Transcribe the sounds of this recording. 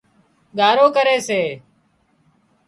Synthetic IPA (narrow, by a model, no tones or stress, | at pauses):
ɠaːɾoːkəɾeːseː